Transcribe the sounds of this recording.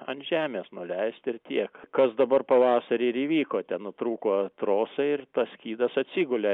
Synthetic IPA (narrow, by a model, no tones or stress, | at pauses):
ɐnt̪ʒʲæːmʲeːsnʊlʲɛɪst̪ɪrt̪ʲiɛkkɐsd̪ɐbɐrpɐʋɑːsɐɾʲɪɪɾiːʋʲiːkoːt̪ʲɛnnʊt̪ɾuːkoːt̪ɾoːsɐɪrt̪ɐssʲkʲiːd̪ɐsɐt̪ʲsʲiɡʊlʲe